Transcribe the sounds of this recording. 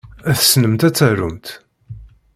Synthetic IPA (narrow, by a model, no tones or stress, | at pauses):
æθsnəmt̪æt͡sːærʊ̰mt̪